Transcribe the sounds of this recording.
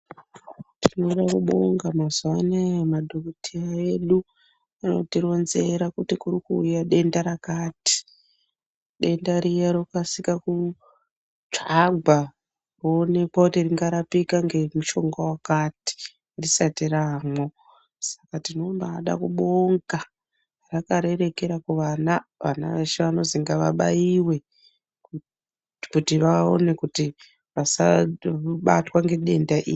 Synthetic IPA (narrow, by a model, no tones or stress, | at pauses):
tino̞ɗakuɓo̞ŋɡamazwanemadʱokutʰiaeɗu | ano̞̰tiɾo̞nze̞ɾakutikurikuːjaɗe̞ndaɾakaːti̥ | ɗe̞ndaɾijaɾokasikaku | t͡ʂaɡʱa | rone̞kwakutiriŋɡaɾapikaŋɡe̞muʃo̞ŋɡawakati̥ | risatiramo | sḁkatino̞mbaːɗa̰kuɓoŋɡa | rakaɾe̞ɾe̞ke̞ɾakuʋanaʋa̰na̰ʋeʃeʋano̞ziŋɡaʋaɓa̰jiwe̞ | kutiʋao̰nekuti | ʋasa̰ | ɓa̰twaŋɡe̞ɗe̞ndaʔiːi